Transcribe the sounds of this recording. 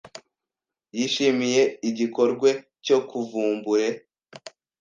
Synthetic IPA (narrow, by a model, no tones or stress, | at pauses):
jiːʃimije̞iɟiko̞ɾɡwe̞ | co̞kʰuvuːmbuɾe̞